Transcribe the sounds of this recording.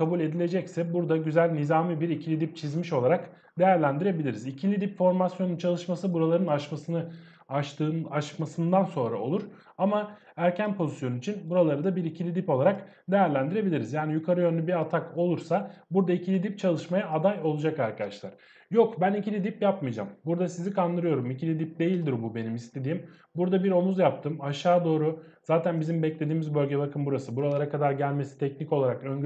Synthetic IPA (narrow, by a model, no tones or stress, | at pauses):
kʰabulʲe̞d̪ilʲe̞d͡ʒɛcsɛbuɾd̪aɟyzælʲnizaːmɯbiɾicʰilʲid̪ip̚t͡ʃʰizmiʃo̞lˠaɾak | d̪e̞jæɾlʲænd̪iɾe̞bilʲiɾizicʰilʲid̪ipfo̞ɾmasjonunt͡ʃʰalˠɯʃmasɯbuɾalˠaɾɯnaʃmasɯnɯ | aʃt̪ɯːnaʃmasɯnd̪anso̞nɾa̰o̞̰lˠuɾ̥ | ama | æɾcʰænpʰo̞zisjo̞nuit͡ʃʰinbuɾalˠaɾɯd̪abiɾicʰilʲid̪ipo̞lˠaɾak | d̪e̞jæɾlʲænd̪iɾe̞bilʲiɾizjaːnijukʰaɾɯjø̞nlʲybiɾat̪ʰako̞lˠuɾsabuɾd̪aicʰilʲid̪ip̚t͡ʃʰalˠɯʃmajaːd̪ajo̞lˠud͡ʒakaɾkad̪aʃlˠaɾ̥ | jokbænicʰilʲid̪ipjap̚mɯjd͡ʒa̰mbuɾd̪asizikʰand̪ɯɾɯjo̞ɾumicʰilʲid̪ip̚d̪e̞jilʲd̪iɾbube̞nimist̪ʰe̞d̪iːm | buɾd̪abiɾo̞muzjap̚t̪ʰɯmaʃaːd̪o̞ːɾu | z̥aːt̪ʰænbizimbɛclʲe̞d̪iːmizbø̞lʲɟebakɯmbuɾasɯbuɾalˠaɾakad̪aɾɟælʲme̞si̥t̪ʰɛcnico̞lˠaɾakø̞ɲ